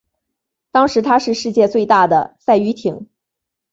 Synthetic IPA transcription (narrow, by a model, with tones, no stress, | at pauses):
t̪ɑ˥ŋʂɻ̩˧˥t̪ʰa˥ʂɻ̩˥˧ʂɻ̩˥˧t͡ɕjɛ˥˧t͡swe˥˧ɪt̪a˥˩d̪ə˩sa˥˩ɪy˧˥t̪ʰi˨˩˥ŋ